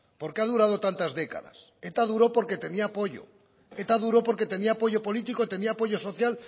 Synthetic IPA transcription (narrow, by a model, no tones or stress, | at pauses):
po̞ɾkeað̞uɾað̞ot̪ant̪azðe̞ka̰ða̰s | e̞t̪að̞uɾo̞po̞ɾke̞t̪e̞niaːpo̞ʎo̰ | et̪aðuɾo̞po̞ɾke̞t̪e̞niaːpo̞ʝo̞po̞lit̪ikot̪e̞niaːpo̞ʝo̞so̞θjal